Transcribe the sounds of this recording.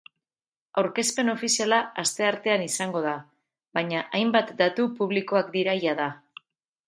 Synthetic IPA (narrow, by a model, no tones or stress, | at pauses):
awɾke̞spe̞no̞fisialaːst̪e̞aɾt̪e̞anisaŋɡo̞ð̞a | βaɲaʔajmbat̪d̪at̪upuβliko̞akd̪iɾajaða